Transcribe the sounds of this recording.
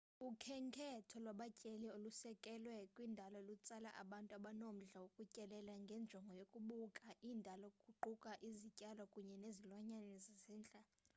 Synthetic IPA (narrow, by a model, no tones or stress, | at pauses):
ukʰɛŋkʰɛtʰɔlwaɓacʼeliolusɛkʼɛlwɛkʼwindʱalɔlut͡sʼala̰ʔa̰ɓantʼuaɓanom̩ɮawokʼucʼɛlɛlaŋɡʱɛnd͡ʒʱɔŋɡʱɔjokʼuɓukʼaʔindʱalɔkʼuǃukʼaʔizicʼalɔkʼuɲɛnezilwaɲanɛzizɛːnt͡ɬʼa